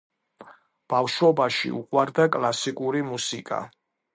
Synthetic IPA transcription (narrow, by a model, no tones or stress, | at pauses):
b̥afʃwɔbaʃḭṵqʼwaɾd̪akʼlˠasikʼuɾimusikʼa̰